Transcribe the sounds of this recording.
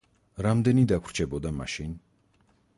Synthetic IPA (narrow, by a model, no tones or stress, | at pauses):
ɾamd̪ɛnid̪akʰɾ̥t͡ʃʰɛbɔd̪ama̰ʃin